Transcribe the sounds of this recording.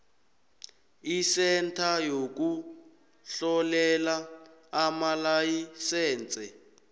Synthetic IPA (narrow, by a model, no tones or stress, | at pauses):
isɛntʰajok̬u | ɬɔlɛlaː | malajisɛːnt͡sʼɛ